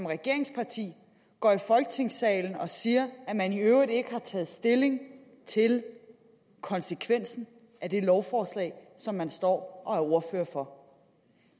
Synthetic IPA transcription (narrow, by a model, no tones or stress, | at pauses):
mʁɛɡ̥e̝ɐeŋspʰɑ̈t͡sʰḭː | ɡ̥ɒ̰ːifɒ̽lɡ̥ət͡sʰe̝ŋsɛ̰ːln̩ɒ̽siːɐæmæniøʊʁid̥e̝ɡ̥əhɑ̈t͡sʰɛ̰ːð̩ˠsd̥e̝le̝ŋ | t͡sʰe̝l | kʰɒ̽nsəkʰʋen̰sn̩ | æd̥e̝lɒʊfɒːslɛ̰ɪsɒ̽mːænsd̥ɒ̰ːʔɒ̽æɐo̝ɐføːɐfɒ̽